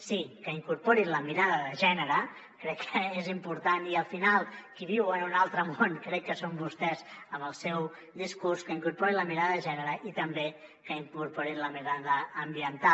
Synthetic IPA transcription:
sikəiŋkuɾpoɾiləmiɾaðəðəʒɛnəɾə | kɾɛkːəezimpuɾt̪aniəlˠfinalˠkiβ̞iwənunalˠt̪ɾəmonkɾɛkːəsombust̪ɛzəmbəlˠsɛw | d̪iskuɾskəiŋkuɾpoɾiləmiɾaðəðəʒɛnəɾəʔit̪əmbe | kəiŋkuɾpoɾiləmiɾaðəːmbiənt̪a

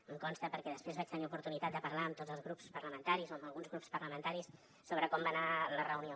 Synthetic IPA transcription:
əŋkɔnst̪əpəɾkɛðəspɾezβat͡ʃt̪əniupuɾt̪unit̪at̪d̪əpəɾlaəmt̪odzəlˠzɣɾupspərləmənt̪aɾizoəmbəlˠɣunzɣɾupspəɾləmənt̪aɾis | soβɾəkɔmbanalərəwnio

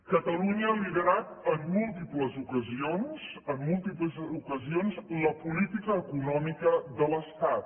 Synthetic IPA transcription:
kət̪əluɲəaliðəɾat̪əmːulˠt̪ipləzukəzionzəmːulˠt̪ipləzukəzionzləpulit̪ikəːkunɔmikəðələst̪at̪̚

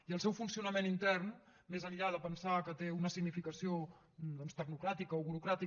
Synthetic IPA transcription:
iəlˠsɛwfunsiunəmenint̪ɛrn | mezəʎʎaðəpənsakət̪eunəsiɡnifikəsio | d̪ɔnst̪əɡnukɾat̪ikəoβuɾukɾat̪i

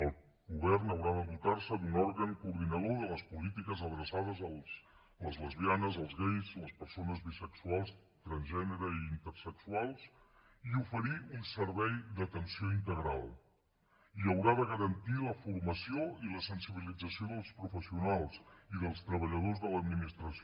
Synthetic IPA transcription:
əlˠ | ɣuβ̞ɛrnəwɾaðəβut̪arsəd̪unɔɾɣəŋkuːɾðinəð̞oðələspulit̪ikəzəðɾəsaðəzəlˠs | ləzləzβianəzəlˠzɣejzləspəɾsonəzβisəksualˠs | t̪ɾənʒɛnəɾəiiːnt̪əɾsəksualˠs | iufəɾiunsəɾβɛjðət̪ənsioint̪əɣɾalˠ | iəwɾaðəɣ̞əɾənt̪iləfuɾməsioiləsənsiβ̞ilid͡zəsioðəlˠspɾufəsiunalˠsiðəlˠst̪ɾəβəʎəð̞ozðələd̪minist̪ɾəs

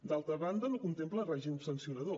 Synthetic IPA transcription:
d̪alˠt̪ɾəβand̪ənokunt̪emplərɛʒimupsənsiunɐðo

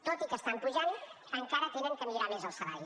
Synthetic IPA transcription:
t̪ot̪ikəst̪ampuʒan | əŋkaɾət̪enəŋkəmiɾamezəlˠsəβa̰j

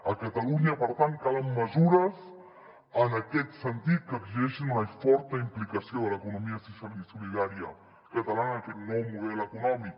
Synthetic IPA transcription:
əkat̪aluɲəpəɾt̪ant̪̚kalamːəzuɾəz | ənakɛt̪sənt̪it̪̚kəkzɛʃinunafɔɾt̪əimplikɐsjoðələkunumiəsusjalisuliðaɾjɐ̰ | kat̪alanːkɛt̪nɔwmuðɛləkunɔmik̚

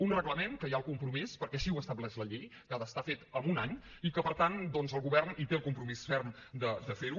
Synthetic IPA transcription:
unrəɣləmenkəjaəlˠkumpɾumispəɾkɛəʃiwəst̪əβlɛʃləʎejʎaðəst̪afet̪əmunaɲ | ikəpəɾt̪and̪ɔnzəlˠɣuβɛrnit̪eəlˠkumpɾumisfɛrmd̪əd̪əfeɾu

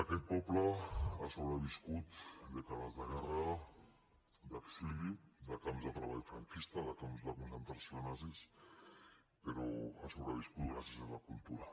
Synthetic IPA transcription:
akɛt̪̚pɔplaasoβɾəβiskut̪d̪ekalazðaɣɛra | d̪aksilid̪akamzðet̪ɾaβaʎfɾa̰ŋkist̪aðakamzðakunsent̪ɾasjonazis | peɾɔasoβɾaβ̞iskut̪ɡɾasjazalakult̪uɾa

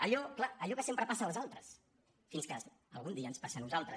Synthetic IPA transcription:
əʎɔklaəʎɔkəsempɾəpasəlzalˠt̪ɾəs | finskə | əlˠɣund̪iəːnspasənuzalˠt̪ɾə

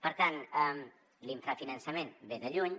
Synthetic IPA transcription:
pəɾt̪anɛm | liɱfɾafinənsəmenbeðəʎuɲ

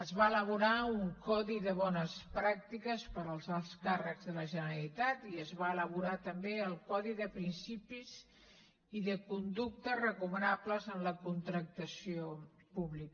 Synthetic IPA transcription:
əzβaələβ̞uɾauŋkɔðiðəβɔnəspɾak̚t̪ikəspəɾəlˠzalˠskarəɡzðələʒənəɾəlit̪at̪iəzβaələβuɾat̪əmbeəlˠkɔðiðəpɾinsipiz | iðəkund̪uk̚t̪ərəkumənapləzənləkunt̪ɾək̚t̪əsio | puβlik

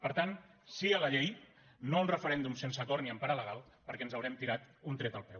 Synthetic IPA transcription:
pəɾt̪ansiələʎej | nounrəfəɾɛnd̪umsensəkɔɾniəmpaɾaləɣ̞alˠ | pəɾkɛnzəwɾɛmt̪iɾat̪unt̪ɾɛt̪əlˠpɾɛw

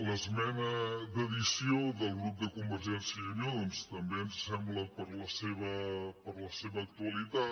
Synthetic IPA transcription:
ləzmɛnəðəðisioðəlˠɣɾup̚d̪əkumbəɾʒɛnsjəənonst̪əmbeənssɛmbləpəɾləseβəpəɾləseβəːk̚t̪uəlit̪a

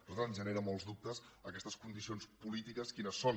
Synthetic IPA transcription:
pɾt̪annzʒəneɾəmɔlˠzðup̚t̪əsəkɛst̪əskund̪isionspulit̪ikəskinəsːon

